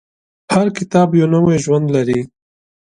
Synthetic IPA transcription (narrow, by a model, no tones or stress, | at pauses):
haɾkɪt̪ɑːbjoːnɐweʒwɐnd̪lɐɾi